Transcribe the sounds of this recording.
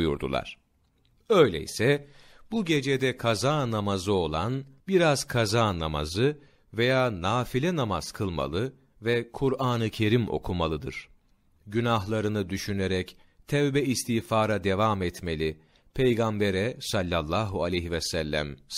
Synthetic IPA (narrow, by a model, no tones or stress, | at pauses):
jṵɾd̪ṵlˠa̰ɾ̥ | ø̞jlʲḛḭsɛbuɟe̞d͡ʒed̪ɛkʰazaːnamazɯo̞lˠanbiɾaz̥kʰazaːnama̰zɯ | vejaːnaːfilʲɛnamaz̥kʰɯlˠma̰lˠɯ | vɛkʰuɾaːnɯcʰe̞ɾimʔo̞̰kʰumalˠɯd̪ɯ̰ɾ̥ | ɟynaɦlˠaɾɯnɯd̪yʃyneɾɛc | t̪ʰɛvbɛist̪ʰiːfaːɾad̪e̞vaːmɛt̪me̞lʲi | pʰejɡambeɾɛsalʲːalˠːaːɦualʲejɦivɛsælʲːæ̰m